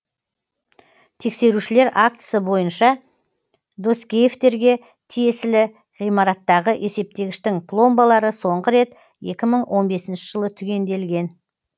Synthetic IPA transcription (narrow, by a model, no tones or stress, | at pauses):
t̪ʰe̞kse̞ɾuʃɪle̞ɾak̚t̪ə̥səbo̞jənʃɑ | d̪o̞skʲejeft̪e̞ɾɡʲe̞ | t̪ʰije̞sɪlɪ | ʁijmɑɾɑt̪ːɑʁəʔe̞se̞p̚t̪e̞ɡʲɪʃt̪ɪŋpʰlˠo̞mbɑlˠɑɾəso̞ɴʁəɾe̞t̪ | je̞kʲɪməɴwʔo̞nbe̞sɪnʃɪ̥ʒ̥əlˠət̪ʰʏɡʲe̞nd̪e̞lɡʲe̞n